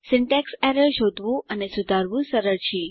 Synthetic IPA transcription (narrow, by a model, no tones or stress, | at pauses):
sɪɳʈɛksɛɾəɭʃod̪ʱʋũʔənesʊd̪ʱaɾʋũsəɾəɾt͡ʃʰi